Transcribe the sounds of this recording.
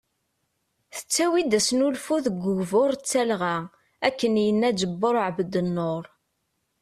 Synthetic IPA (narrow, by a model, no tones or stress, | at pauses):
θə̥t͡sːæwid̪æsnulfuðəɡːʊɣvoɾˤt͡sːælʁæ | ækːənjənːæd͡ʒəbːoɾˤʕbəd̪ənːoɾˤ